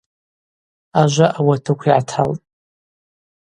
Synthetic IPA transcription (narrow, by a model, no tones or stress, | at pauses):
aʒʷaʔawatʰɨkʷʰiʕatʰa̰ltʼ